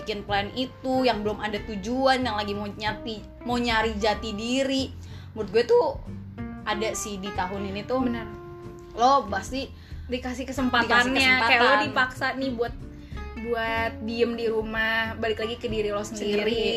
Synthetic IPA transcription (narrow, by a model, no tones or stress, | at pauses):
ikɪnplanit̪ujaŋbəlʊmadat̪ud͡ʒuanjaŋlaɡimoɲat̪i | moɲaɾid͡ʒat̪idiɾi | muɾɪt̪̚ɡuɛt̪u | adasidit̪aɦʊninit̪ʊbənər | lɔhbasi | dikasɪkəsəmpaik̪aanɲɲaəakajalodipaksanɪhbuat̪̚ | buat̪̚diəmdiɾumahbalɪklaɡikədiɾilɔhsəndiɾi